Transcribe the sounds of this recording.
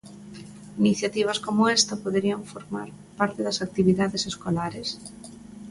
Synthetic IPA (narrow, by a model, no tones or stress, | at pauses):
iniθjat̪iβ̞ɐskomʊest̪ɐpoðeɾiɐɱfoɾma̰ɾ | paɾt̪eðɐsak̚t̪iβiðaðeseskolaɾes